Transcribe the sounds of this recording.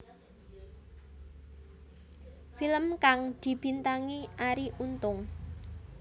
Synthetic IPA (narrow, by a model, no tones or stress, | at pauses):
filəmkaŋd̪̥i̤b̥i̤nt̪aŋiʔaɾiʔunt̪ʊŋ